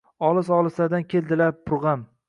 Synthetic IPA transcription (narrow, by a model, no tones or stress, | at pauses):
ɒlˠɪsɒlˠɪslad̪ankʲʰe̞ld̪ɪlappʊɾʁɑm